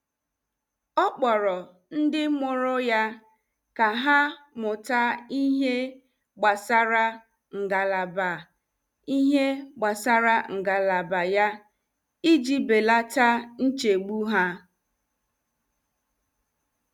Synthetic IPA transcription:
ɔ˦k͡pɔ˨ɾɔ˨ | n̩˦dɪ˦mʊ˨ɾʊ˦ja˦ | ka˨ɦa˦mʊ˨ta˦i˦ɦe˦ | ɡ͡ba˨sa˦ɾa˦ | ŋ̩˨ɡa˨la˨ba˨ | i˦ɦe˦ɡ͡ba˨sa˦ɾa˦ŋ̩˨ɡa˨la˨ba˨ja˦ | i˦d͡ʒi˦be˨la˦ta˦n̩˦t͡ʃe˨ɡ͡bu˦ɦa˦

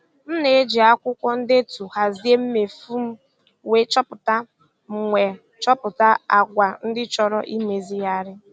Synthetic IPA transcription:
m̩˦ne˨e˦d͡ʒi˨a˦kʷʊ˦kʷɔ˦n̩˦de˦tu˨ha˨zi˦e˦m̩˦me˨fu˦m̩˦ | we˦t͡ʃɔ˦pʊ˨ta˦ | m̩˨ŋʷe˨ | t͡ʃɔ˦pʊ˨ta˦a˨ɡʷa˨n̩˦dɪ˦t͡ʃɔ˨ɾɔ˦ʔi˦me˨zi˦ja˦ɾɪ˦

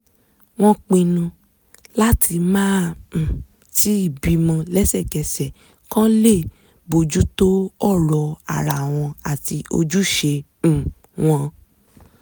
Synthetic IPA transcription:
w̃ɔ̃˧k͡pĩ˧nũ˧ | la˦tʰi˧mãː˦˨ | ti˨˦i˦˨bi˧mɔ̃˧lɛ˦sɛ˦˨kɛ˨sɛ˨ | kã˦le˦˨ | bo˧d͡ʒu˦to˦ɔ˦˨ɾɔ˧˨a̰˨ɾa˨w̃ɔ̃˧a˨ti˧ʔo̰˧d͡ʒu˦ʃẽ˧˨ | w̃ɔ̃˧

